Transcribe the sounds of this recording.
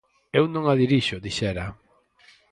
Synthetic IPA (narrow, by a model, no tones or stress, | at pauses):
ewnõŋaðiɾiʃʊðiʃɛɾa